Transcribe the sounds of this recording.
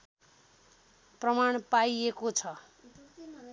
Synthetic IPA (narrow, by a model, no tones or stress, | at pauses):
prʌmaɳ̃pajekot͡sʰʌ